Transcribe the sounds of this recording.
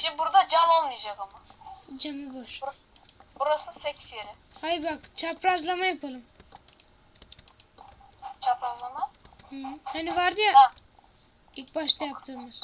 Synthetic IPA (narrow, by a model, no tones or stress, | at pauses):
ʃibuɾd̪ad͡ʒamolˠmɯjd͡ʒakamad͡ʒamiboʃ | buɾasɯsekʲi̥sjeɾɪ | hajbakt͡ʃʰapɾazlˠamajapʰɯlˠɯm | t͡ʃʰapɾazlˠamahhaniʋaɾd̪ɯja | ik̚baʃt̪ajapt̪ʰɯɾmɯz